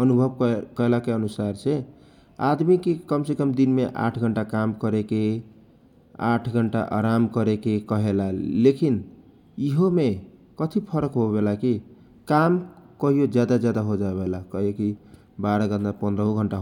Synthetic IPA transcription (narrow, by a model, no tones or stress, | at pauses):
ənubʱəbkkəelakeənusaɾt͡ʃʰe | ad̪mikekəmsekəmd̪inmeʔa̰ʈʰɡʱəɳʈakamkəɾeke | a̰ʈʰɡʱəɳʈa̰ʔa̰ɾamkəɾekekəɦelalekin | iɦomekət̪ʰipʰəɾəkɦobelaki | kamkəɦijod͡ʒjad̪ad͡ʒjad̪aɦod͡ʒaebelakəɦioki | baɾəɡənd̪apə̃nd̪ɾəɦũɡʱəɳʈaɦ